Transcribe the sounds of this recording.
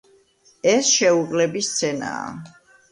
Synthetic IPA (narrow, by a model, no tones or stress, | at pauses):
ɛsʃɛuɡʼlɛbist̪sʰɛna̰ː